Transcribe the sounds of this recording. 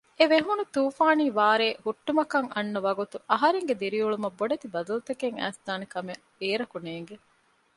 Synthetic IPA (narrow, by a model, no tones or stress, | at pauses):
eʋeɦunut̪uːfaːniːʋaːɾeːhuʈːumɐkɐŋɐnːɐʋɐɡut̪uʔɐɦɐɾeŋɡed̪iɾiuɭumɐbːoɖɐt̪ibɐd̪ɐlut̪ekeŋæ̰ːsd̪aːnekɐme | eːɾɐkuneːŋɡe